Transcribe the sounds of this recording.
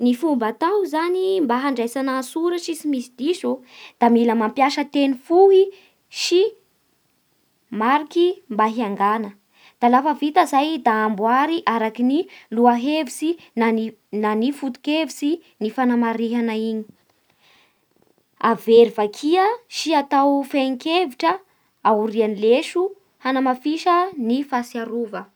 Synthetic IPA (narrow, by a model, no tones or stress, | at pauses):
nifumbat̪awzanimbaɦaɳɖ͡ʐajsanasuɾəsisimisid̪̥izo | d̪̥amiləmampjaʃət̪enifuɦi | ʃi | maɾikimbaɦiaŋɡanə | d̪̥alafəvit̪əzajd̪aːmbuaɾiʔaɾakiniluaɦevisinai | nanifut̪u̥kevisinifanamaɾiɦanaiɲi̥ | aveɾivakʰiəʃiat̪awfaŋkeviʈ͡ʂə | auɾianileʃu | hanamafiʃənifasiaɾuvə